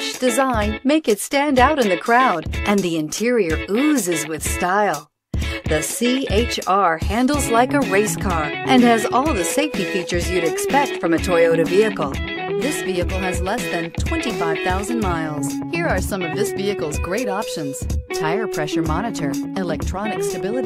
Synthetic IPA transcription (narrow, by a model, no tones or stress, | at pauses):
t͡ʃd̥ɨzãɪ̃nmeɪkɨtstæ̃ndaʊɾɨ̃nðɨkʰɹ̥aʊɾʔɨ̃nðiɨ̃ntʰɪɹiə˞uzɨzwɪð̥staɪlˠ | ðɨsieɪt͡ʃɑɹhæ̃ndˡl̩ˠzlaɪkəɹeɪskʰɑɹʔɨ̃nɨzɔlˠðɨseɪftifit͡ʃə˞zjɨɾɨkspɛk̚tfɹʌ̃mɨtʰɔɪoʊɾɨviɨkl̩ˠ | ðɪsviɨkl̩ˠɨzlɛsðɨ̃ntʰw̥ɛ̃ntifaɪv̥θaʊzɨ̃nmaɪlˠz̥ | hiɹə˞sʌ̃mʌvðɪsviɨkl̩ˠzɡɹeɪɾɑpʃɨ̃nz̥tʰaɪə˞pʰɹ̥ɛʃə˞mɑñɨɾə˞ɨlɛk̚tʰɹ̥ɑnɨkstɨbɪlˠɨɾi